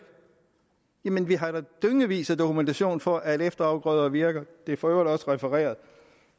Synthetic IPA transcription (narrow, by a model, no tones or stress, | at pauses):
jæmenʋiɦɑ̈ɾ̥ɑd̥øŋəʋḭːsæd̥o̝kʰument͡sʰæɕo̝̰ːnfɒ̽ʔæeɾefd̥ɐɑ̈ʊɡ̥ʁœðˠɐʋiɐɡ̥ɐd̥e̝æfɒø̰ʊ̰ɐ̥ɒ̽sʁɛfeʁɛ̰ːɐð̞ˠ